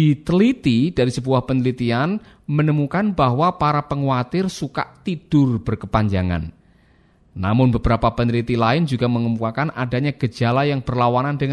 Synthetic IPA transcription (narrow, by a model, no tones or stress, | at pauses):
it̪əlit̪id̥aɾisəbuahpənəlit̪ian | mənəmukanbaɦwapaɾapəŋuat̪ɪrsuka̰ʔt̪id̥ʊrb̥ərkəpaɲd͡ʒaŋa̰nː | a̰mʊnbəbɾapapənlit̪ilaɪnd͡ʒuɡa̤məŋəmpuakanʔada̤ɲaɡ̥ə̥d͡ʒ̥a̤lajaŋb̥ərlawanandəŋ